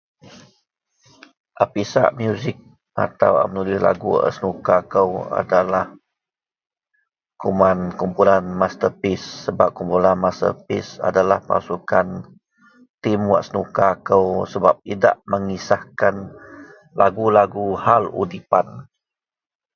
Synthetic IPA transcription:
ʔapisa̰ʔmjuzɪk̚ | ʔa̰t̪awa̰mənulihla̰ɡua̰sənukakəwa̰dalah | kumankumpulanmast̪əpisːəbap̚kumpulanmast̪ə̰pisa̰dalahpa̰sukan | t̪imwa̰ʔsənukakəwsəbap̚ida̰ʔməŋisahkan | laɡulaɡuhalṵdipan

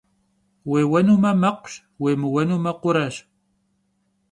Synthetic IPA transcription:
weːwɐnumɐmɐqʷʃ | wemɨwɐnumɐqʊɾɐʃ

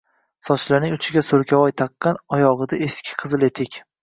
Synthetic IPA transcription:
sɒt͡ʃlanɪŋʊt͡ʃʰɪɡʲasoɾkʲawɒjt̪ʰaqːɑnɒjɒʁɨd̪aeskʲʰɪ̥qʰɨzɨlet̪ʰɪkʲ

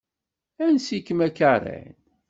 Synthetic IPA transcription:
ænsikːmækarˤæ̰n

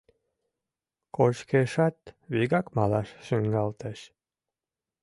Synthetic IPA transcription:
koʃkeʃɑt̪βiɣɑkmɑlɑʃʃəŋɡɑlt̪əʃ

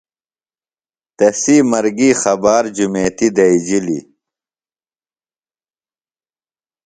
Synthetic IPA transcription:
t̪ɐsiːmɐɾɡiːxɐbaːɾd͡ʑumeːt̪id̪ɐid͡ʑilḭ

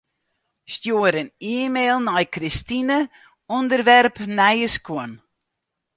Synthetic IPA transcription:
stjuəɾəniəmeːlˠnɔjkristinə | ɔndərʋɛrpnɛjəskʊən

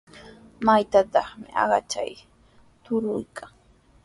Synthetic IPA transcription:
majt̪at̪ɑχmɪʔɑ̰ɢɑt͡ʃa̰j | t̪ʊɾʊjkʰaŋ

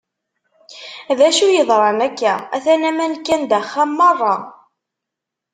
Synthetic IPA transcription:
ðæʃujəðˤɾˤɑnækːææ̰θænæmænkːænd̪æχːamːɑrˤːɑ

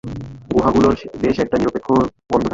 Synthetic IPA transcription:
ɡuɦaɡuloɾd̪eʃɛk̚ʈaniɾopekʰːobɔnd̪okʰ

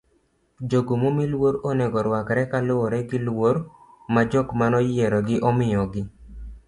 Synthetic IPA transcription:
d͡ʒoɡomomilwoɾoneɡɔɾwakɾɛkalʊɾɛɡɪlwoɾ | mad͡ʒɔkmanɔjɛɾɔɡɪʔɔmɪjɔɡɪ

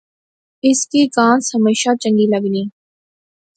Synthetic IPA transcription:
ɪskikãːnsəmeːʃat͡ʃə̃ŋɡiləɡnĩː

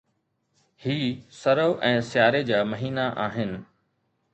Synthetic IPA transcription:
hiːsɐɾoːʔɛ̃ːsɪjaːɾed͡ʑaːmɐɦiːnaʔaːɦɪnɪ̆

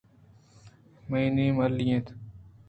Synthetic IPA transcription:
məiːneːməlijẽːt̪ʰ

